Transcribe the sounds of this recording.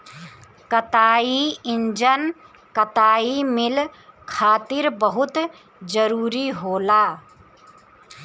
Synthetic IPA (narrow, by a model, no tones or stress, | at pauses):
kət̪aːiɪɲd͡ʒən | kət̪aːimɪlkʰaːt̪ɪɾbəɦʊt̪ | d͡ʒəɾuːɾiɦoːlaː